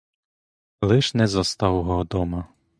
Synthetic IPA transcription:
lˠɪʃnɛzɐst̪ɑwɦɔd̪ɔmɐ

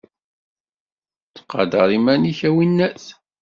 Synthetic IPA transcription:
t͡sːə̥qːɑ̰d̪ɑɾˤimæniçæwinːæs

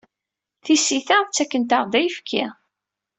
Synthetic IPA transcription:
θisiθæt͡sːækːənt̪aʁd̪æjfkʰːi

